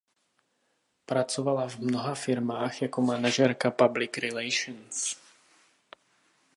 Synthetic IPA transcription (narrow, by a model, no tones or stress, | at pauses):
pɾat͡sovalavmnoɦafɪɾmaːxjakomanaʒɛɾkapablɪkɾɪlɛjʃns